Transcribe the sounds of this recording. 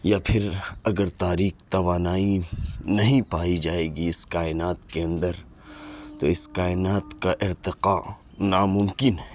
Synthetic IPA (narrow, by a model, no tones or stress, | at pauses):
japʰɪɾɐɡəɾt̪aːɾiːkt̪ɐʋaːnaːinɐɦĩpaːid͡ʒaːeːɡiɪskaːɪnaːt̪keɐ̃nd̪əɾ | t̪oɪskaːɪnaːt̪kaʔɪɾt̪ɪqaː | naːmʊ̃mkɪnɦɛ